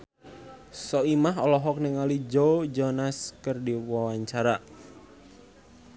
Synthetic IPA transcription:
sɔimaɦɔlɔɦɔk̚nəŋalid͡ʒod͡ʒɔnaskərdiwawaɲt͡ʃaɾa

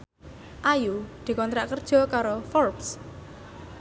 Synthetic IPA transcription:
ʔajud̪̥i̤kɔnt̪ɾaʔkərd̥ʒ̥ɔ̤kaɾɔfɔrps

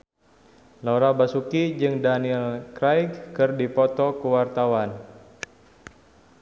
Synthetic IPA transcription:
lauɾabasukid͡ʒɨŋdaniɛlkɾajkkɨrdipɔt̪ɔkəwart̪awan

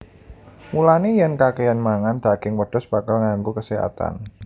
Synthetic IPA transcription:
mulanejankakejanmaŋand̪̥aɡ̥ɪŋwəɖ̥ɔ̤sb̥a̤kalŋaŋɡukəseɦa̰t̪a̰n

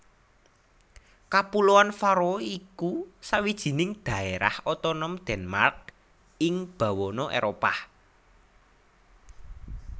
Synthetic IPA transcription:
kapuloanfaɾɔikusawid̥ʒ̥i̤nɪŋd̪̥ä̤eɾa̰hɔt̪ɔnɔmd̪̥ɛ̤nmark̚ | ɪŋb̥ä̤wɔnɔʔḛɾopah

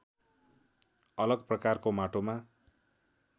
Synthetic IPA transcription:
ʌlʌɡprʌkarkomaʈoma

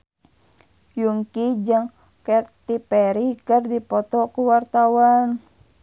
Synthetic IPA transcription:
juŋkid͡ʒɨŋ | kɛrt̪ipɛɾikɨrdipɔt̪ɔkuwart̪awan

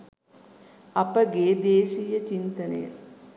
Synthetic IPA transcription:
ɐpəɡeːd̪eːsijət͡ʃint̪ənə̰jə̰

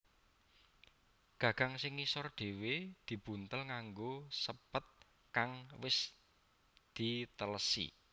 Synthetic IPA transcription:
ɡ̥ä̤ɡ̥ä̤ŋsɪŋːisɔrɖ̪̥e̤wed̪̥i̤b̥ṳnt̪əlŋaŋɡosəpət̪̚ | kaŋwɪs | d̪̥i̤t̪ələsḭ

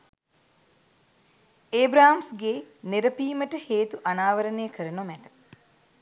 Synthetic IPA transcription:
eːbɾaːamsɡeneɾəpiːməʈəheːt̪uʔanaːʋəɾənejəkəɾənomæt̪ə̥

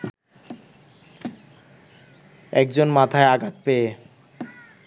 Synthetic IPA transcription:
ɛk̚d͡ʑonmat̪ʰaeaɡat̪̚pee

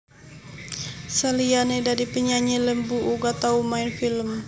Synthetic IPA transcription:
salianedaɾipəɲaɲiləmbuʔuɡat̪aumaɪnfiləm

